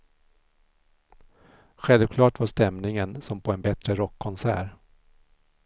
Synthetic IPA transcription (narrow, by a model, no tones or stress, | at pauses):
ɧɛlvkʰlɑːʈvaʂt̪ɛmnɪŋənsɔmpʰɔɛnbɛt̪ɾəɾɔkʰːɔnsæ̰ːɾ